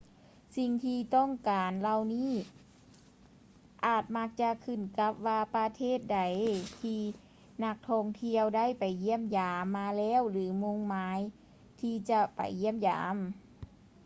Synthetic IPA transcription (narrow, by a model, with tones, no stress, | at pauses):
si˧ŋt̪ʰiː˧t̪ɔ˥˩˨ŋkaː˨˩nla˧wniː˥˩ | ʔaː˨˩t̪̚ma˧˥k̚t͡ɕa˧kʰɯ˧˩nka˧˦˥p̚waː˧pa˧t̪ʰeː˥˩t̪̚da˨˩jt̪ʰiː˧ | na˧˥k̚t̪ʰɔː˧ŋt̪ʰi˧əwda˥˩˨jpa˨˩jːi˧˥˩əmjaː˨˩mːaː˧lɛː˧˥˨wlɯː˨˦mo˧ŋmaː˨˧˥j | t̪ʰiː˧t͡ɕa˧pa̰˨˩jːi˧˥˩əmja̰ː˨˦m